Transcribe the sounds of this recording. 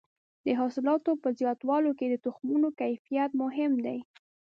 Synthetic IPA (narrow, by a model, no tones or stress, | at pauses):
d̪əɦɑsɪlɑt̪opəzjɑt̪wɑloked̪ət̪ʊxmunokajfijat̪mʊɦɪmd̪aj